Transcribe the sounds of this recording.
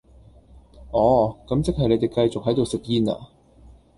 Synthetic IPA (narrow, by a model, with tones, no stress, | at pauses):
ʔɔː˨˧kɐ˨˥mt͡sɪ˥k̚hɐ˨jle˨˧jt̪e˨˩jkɐ˧jt͡sʊ˨k̚hɐ˨˥jt̪̬o˨wsɪ˨k̚jiː˧na̰ː˧